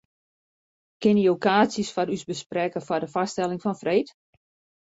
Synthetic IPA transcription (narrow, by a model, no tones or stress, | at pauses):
kɪniokaːsisfɔɾysbəsprɛkəfɔrdəfastɛlɪŋfɔnfreːt